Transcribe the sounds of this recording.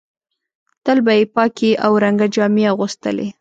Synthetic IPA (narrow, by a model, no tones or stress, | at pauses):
t̪əlbajepɑkeʔawɾaŋɡad͡ʒɑmiaɣʊst̪ə̰lḛ